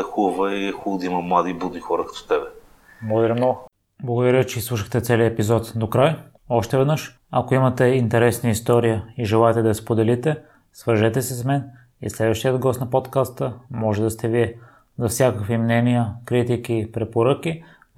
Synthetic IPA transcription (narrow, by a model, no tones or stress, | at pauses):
ɛxuvəiɛxud̪imɐmlˠad̪ibud̪nixɔɾəkɐ̥t̪o̥t̪ɛbɛ | blˠɡod̪ɐɾimnɔɡo | blˠɐɡod̪ɐɾəvit͡ʃɛislˠuʃəxt̪ɛt̪sɛliəɛpizɔt̪d̪okɾaj | ɔʃt̪ɛvɛd̪nɤʃ | ɐkoimɐt̪ɛint̪ɛɾɛsniist̪ɔɾijəiʒɛlˠaɛt̪ɛd̪ɐspod̪ɛlit̪ɛ | svəɾʒɛt̪ɛsɛsmɛn | ḭslɛd̪vəʃt̪ijəd̪ɡɔst̪nɐpot̪kast̪əmɔʒɛd̪ɐst̪ɛviɛ | zɐfsʲjakəkvimnɛnijəkɾit̪ik̟ipɾɛpoɾək̟i